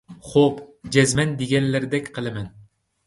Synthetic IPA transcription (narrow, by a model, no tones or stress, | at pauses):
χopd͡ʒɛzmɛnd̪eɡʲɛnlæɾd̪ɛkʲqʰɨlˠɪmæn